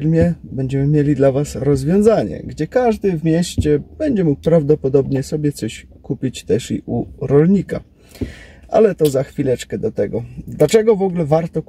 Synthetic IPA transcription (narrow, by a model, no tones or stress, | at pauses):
ɾmʲjɛbɛɲd͡ʑɛmɘmʲjelʲid̪lavasɾɔzvʲjɔ̃w̃zaɲɛ̰ɡd͡ʑɛkaʐd̪ɘvmʲjɛɕt͡ɕɛb̥ɛɲd͡ʑɛmuk̚pɾavd̪ɔpɔd̪ɔbɲɛsɔbʲjɛt̪sɔɕkupʲit͡ɕt̪ɛʂḭʔuɾɔlɲika̰ | ʔa̰lɛt̪ɔzaxfʲilɛt͡ʂkɛd̪ɔt̪ɛɡɔd̪lat͡ʂɛɡɔvɔɡulɛvaɾt̪ɔk